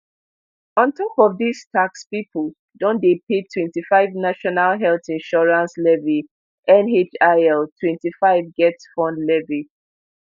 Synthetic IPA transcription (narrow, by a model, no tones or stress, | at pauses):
ɔ̃ntɔpɔvðistʰakspipəl | dɔ̃ndepetʰwɛ̃ntifaɪvnaʃɔnalɦɛlθĩnʃɔɹãnslɛvi | ʔɛ̃net͡ʃaɛltʰwɛ̃ntifaɪvɡɛtsfɔ̃ndlɛvi